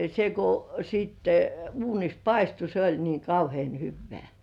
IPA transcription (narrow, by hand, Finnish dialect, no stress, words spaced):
se kŭ siˑtːe uːnis pɑistu se olʲ niːŋ kɑuhĭeˑn hyʋːĕæˑ